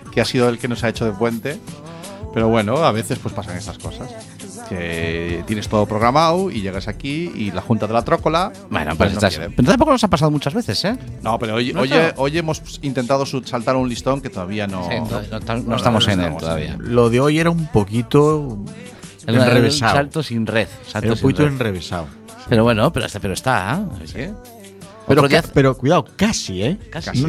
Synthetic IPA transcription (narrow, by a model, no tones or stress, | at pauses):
keasiðoelke̞no̞saet͡ʃoð̞epwe̞nt̪e̞ | pe̞ɾo̞βwe̞noaβ̞e̞θe̞spwe̞spasaŋe̞st̪asko̞sas | ket̪je̞ne̞st̪o̞ðo̞pɾo̞ɣɾamawiʎe̞ɣ̞asakiilaxunt̪aðelat̪ɾo̞ko̞la | bḛn̰pweenoajeɾepeɾnt̪ampokonosapas̬aðomut͡ʃazβeθesenopeɾoojojeʔo̞jemo̞sint̪e̞nt̪aðosusalt̪aɾunlist̪o̞ŋket̪oðaβianoonot̪anoest̪amosenḛloða̰βḭa̰loðeojeɾaumpokit̪o | eleeβesasalt̪osinreθsalɾospokit̪oenreβesa̰w | peɾoβwenopeɾo̰st̪apeɾoest̪ase | oɾɾoðiapeɾokwiðawkasiekasas